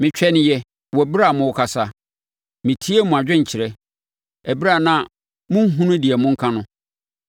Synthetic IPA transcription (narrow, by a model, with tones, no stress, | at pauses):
mɪ̃˨t͡ɕᶣɛ˦nɪ̃˦jɛ˦ | wɔ˨bi˦ɾa˨mʊ̃˨wʊ˨kʰa˨sa˦ | mɪ̃˨tʰi˦e˦mʊ̃˨a˨d͡ʑᶣɪ̃˦ɲ̩˨t͡ɕʰɪ˨ɾɛ˦ | æ˨bi˦ɾa˦˨nã˨ | mʊ̃˦ŋ̩˦ɦũ˦nʊ̃˦dɪ˨ɛ˨mʊ̃˦ŋ̩˦kʰã˦nʊ̃˦